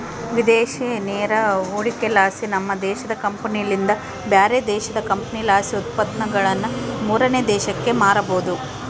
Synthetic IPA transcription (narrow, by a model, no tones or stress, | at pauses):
ʋid̪eːʃeneːɾɐuːɭikelaːsinɐmːɐd̪ɛːʃɐd̪ɐkɐmpɐnijɐlind̪ɐ | bjaːɾed̪ɛːʃɐd̪ɐkɐmpɐnilaːsiut̪̚pɐd̪nɐɡɐɭɐnːumuːɾɐneːd̪ɛːʃɐkːe̞maːɾɐboːd̪u